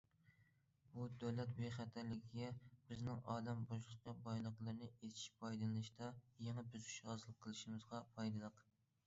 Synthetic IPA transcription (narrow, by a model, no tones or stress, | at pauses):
bud̪æwlɛt̪beχæt̪ʰæɾlɪɡʲiɡʲɛbɪznɪŋɑːd̪ɛmboʃlˠəkʲɑbɑjlˠəqlˠɨɾɨnɨet̪ʰi̥ʃpʰɑjd̪ɨlɨnɨʃt̪ɑjɛŋɛbyzy̥ʃʁɑzlˠəqʰːəlˠɨʃimɨzʁɑpʰɑjd̪ɨlˠəq